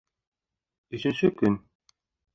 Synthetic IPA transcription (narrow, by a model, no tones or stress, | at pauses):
ɵ̆ɕɘ̆nɕɘkɵn